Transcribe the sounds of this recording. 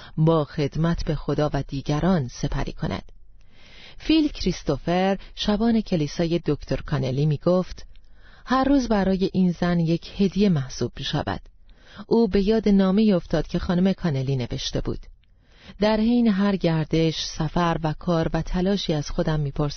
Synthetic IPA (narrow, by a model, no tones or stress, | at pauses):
bɒːxe̞d̪mæt̪ʰbe̞xo̞d̪ɒːvæd̪iːɟæɾʔɒːnse̞pʰæ̰ɾḭːkʰo̞̰nʔæ̰d̪̥ | fiːlcʰɾist̪o̞feɾʃæbɒːne̞cʰe̞liːsɒːje̞d̪o̞kt̪ʰo̞ɾkʰɒne̞liːmiːɡoft̪ | hæɾːuːzbæɾɒːje̞ʔiːnzænje̞cʰhe̞d̪ije̞mæhsuːb̥̚miːʃæ̰væ̰d̪̥ | ʔuːbe̞jɒːd̪enɒːme̞iːoft̪ɒːd̪̥̚cʰe̞xɒːnume̞kʰɒːne̞liːne̞ve̞ʃt̪e̞̰bṵːd̪̥ | d̪æɾhejneɦæɾɟæɾd̪e̞ʃsæfæɾvækʰɒːɾvæt̪ʰælɒːʃiːæz̥xo̞d̪æmːiːpʰoɾs